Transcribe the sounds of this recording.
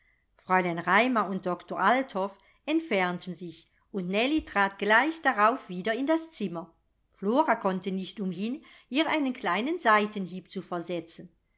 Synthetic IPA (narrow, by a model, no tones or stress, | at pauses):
fʁ̥ɔlaɪnʁaɪmɐʊnt̚d̥ɔktoːʁʔaltʰhɔf | ɛntfɛɐntənzɪç | ʊntnɛlitʁ̥aːtɡ̥laɪçd̥aʁaʊfv̥iːdɐɪndast͡sɪmɐ | floːʁakʰɔntənɪçtʊmɦɪn | ʔiːʁaɪnənkʰlaɪnənzaɪtənɦiːpt͡sufɛɐzɛt͡sən